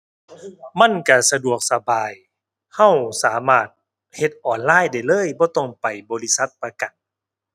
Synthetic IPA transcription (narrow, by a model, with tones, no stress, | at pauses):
ma˧˥˨nka˧˩sa˧du˨˩ək̚sa˧baː˨j | ha˧˩˨wsaː˩˦maː˧˩t̪̚ | he˧t̪̚ʔɔː˨˩nlaː˧˥˨jda˧˩jlɤː˧˥˨jbɔː˧˦t̪ɔ˧˩ŋpa˨˩jbɔː˨˦li˦˥sa˧˦˥t̪̚pa˧ka˨˩n